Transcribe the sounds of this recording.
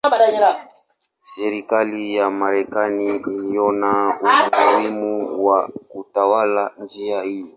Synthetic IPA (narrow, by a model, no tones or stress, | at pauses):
badaɲɛɾa | seɾikalijamaɾɛkaniilijɔnaumulimuwakutawaland͡ʒiaijɔ